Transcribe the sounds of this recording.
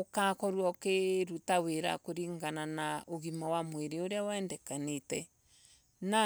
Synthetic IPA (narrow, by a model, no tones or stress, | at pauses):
okakɔɾwɔkeɾutaweɾa̰koɾiŋɡananaoɣimawamweɾeoɾeawaɛndɛkanetɛ | na